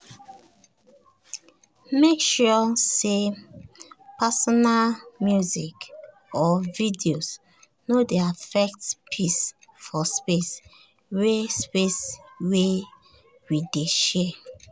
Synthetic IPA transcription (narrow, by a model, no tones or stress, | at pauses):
mekʃɔse | pasɔnalmjuzik | ɔvidios | nodeafɛk̚tpʰis | fɔspes | wespeswe | wideʃɛ